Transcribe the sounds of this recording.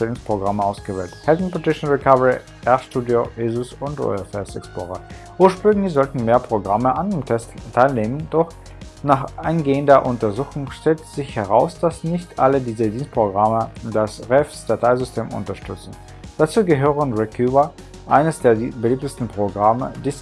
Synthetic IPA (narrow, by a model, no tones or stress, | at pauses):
ɛlʊŋspʁ̥oɡʁaməʔaʊsɡ̥əvɛ̰ːlthɛdn̩potɪʃn̩n̩ʁikʰavəʁi | ʔɛɐʃtuːdioezʊsʊntʁo̰ɛfɛ̰stɛ̰ksplo̰ːʁə̰ | ʔuːɐʃpʁ̥ʏŋɡŋlɪçz̥ɔltn̩meːɐpʁ̥oɡʁaməʔandeːmtʰɛsttʰaɪlneːmənd̥ɔχ | naːχʔaɪnɡeːəndɐʔʊntɐzuːxʊŋʃtɛltz̥ɪçhɛʁaʊsd̥asnɪçtʔalədiːzədiːnst̚pʁ̥oɡʁamədasʁɛfsd̥atʰaɪzʏstʰeːmʊ̰ntɐʃtʏt͡sn̩ | d̥at͡suːɡəɦøːʁənʁɛkʰuːvɐ | ʔaɪnəsd̥eːɐbəliːp̚təstn̩pʁ̥oɡʁamə̰diːs